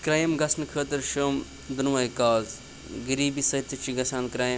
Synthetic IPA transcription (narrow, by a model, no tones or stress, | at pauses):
kɾaːjimɡɐsnɨkʰəːt̪ɐɾʃəːm | d̪ɐnʋɐːikaːz | ɡɐɾiːbisɐit̪ːɐt͡ʃʰiɡɐsaːnkɾaːjm